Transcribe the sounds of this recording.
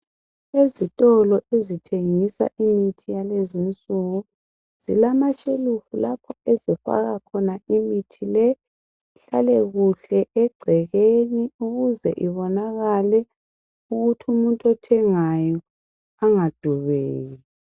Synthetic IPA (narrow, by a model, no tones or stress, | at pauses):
ezitʼɔlɔʔezitʰeŋisa̰ʔimitʰijalezimisʼuɣu | z̥ilamaʃelufulapʰɔɛzɛfa̰ɣakʰɔnaimitʰilɛ | ɬalɛɣuɬɛʔɛɡ͡ǀʱɛɣeniuɣuzɛʔiβɔnaɣalɛ | uɣutʰumuntʼɔtʰɛŋajɔ | aŋad̥ʱuβeːji